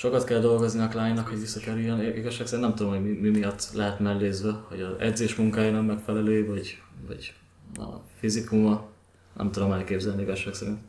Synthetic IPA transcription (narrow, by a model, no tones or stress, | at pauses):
ʃo̞kɒt̪kɛld̪o̞lɡo̞zniɒklaːɲnɒkho̞ɟʋisːɒkɛɾyjːɛniɡɒʃːaːksɛɾinɛmt̪ud̪o̞mhoɟmimimijɒt̪ːlɛɦɛt̪mɛlːeːzʋɛho̞ɟɒzɛ̰d̪zeːʃmuŋkaːjanɛmmːɛkfɛlɛløːvɒɟvɒ̰ɟ̥ | ɒ̰fizikumɒ | nɛ̰mt̪ud̪o̞mɛlkeːbzɛlniiɡɒʃːaːksɛɾint̪